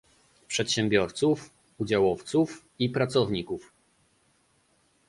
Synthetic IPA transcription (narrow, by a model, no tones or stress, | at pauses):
pʂɛt̪ɕɛ̃mbʲjɔɾt̪suf | ud͡ʑawɔft̪suf | ipɾat̪sɔvɲikuf